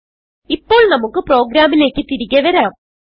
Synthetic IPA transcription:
ipːo̞ːɭnɐmukːɨpro̞ːɡɾaːmile̞ːkʲːɨt̪iɾiɣʲɐʋɐɾaːm

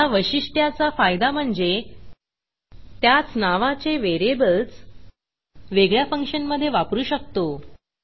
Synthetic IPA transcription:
aʋəɕiʂʈjat͡safajd̪am̤əɳd͡ze | t̪jat͡snaʋat͡seʋeɾebəlt͡s | ʋeɡɭjafəŋkʂənməd̪ʱːjeʋapɾuːɕək̚t̪o

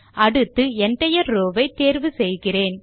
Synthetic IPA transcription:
ʔɐɽɯt̪ːɯɛndrɐjɐɾoːʋɐɪt̪ːeːɾʋɯsɛjɣɪreːn

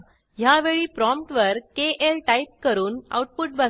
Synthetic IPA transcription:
ɦjaʋeɭiːpɾɔmpʈʋəɾkeʔelʈaip̚kəɾuːna̰wʈ̚puʈ̚bə

